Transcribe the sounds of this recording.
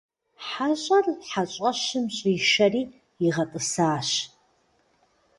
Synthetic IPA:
ħaɕʼɐrħaɕʼɐɕɨmɕʼiːʃɐriː | iʁɐtʼɨsaːɕ

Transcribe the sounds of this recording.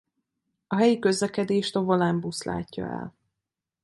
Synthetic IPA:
ɒɦɛjikøzlɛkɛd̪eːʃt̪o̞volɛmbusla̰ːcːɒ̰ɛ̰l

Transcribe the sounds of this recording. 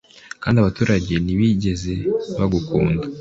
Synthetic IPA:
kaːndiaβatuːɾaɟe̞niβiɟe̞ze̞βaɡukṵːnda

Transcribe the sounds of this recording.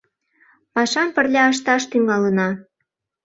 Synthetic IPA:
mɑʃɑmpərlʲɑəʃ̬t̪ɑʃt̪yŋɑlənɑ

